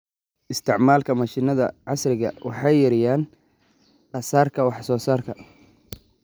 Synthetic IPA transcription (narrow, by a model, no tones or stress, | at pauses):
ʔɪst̪ʰɪʕmaːlkʰɐmɐʃɪnɐðɐʕɑsrɪɣɐ̰wʔɑħɑjːɐɾɪjaːn | ʔɐsaːrkʰɐwɑħsɔːsaːrkʰɐ